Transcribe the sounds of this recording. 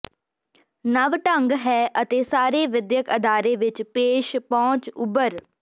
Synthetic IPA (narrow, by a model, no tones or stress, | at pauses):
nəʋʈəŋɡɦɛːʔət̪eːsaːɾeːʋɪd̪jəkəd̪aːɾeːʋɪt͡ʃpeːʃpɔ̃ːt͡ʃʊbəɾ